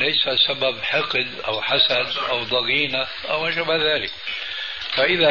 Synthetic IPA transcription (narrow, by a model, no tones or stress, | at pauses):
laːsasababħɪqd̪ʔa̰wħasad̪ʔawd̪ˤɑɣiːna | ʔawmaʃabaðaːlɪk | faʔɪða